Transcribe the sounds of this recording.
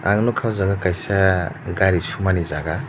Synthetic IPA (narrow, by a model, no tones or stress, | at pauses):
a̰ŋnukʰawzaɡakajsaɡaɾisumanizaɡa